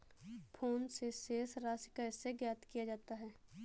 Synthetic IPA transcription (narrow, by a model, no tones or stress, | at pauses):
pʰoːnseseːsɾaːsɪkaɪseɡjaːt̪kijad͡ʒaːt̪aɦɛː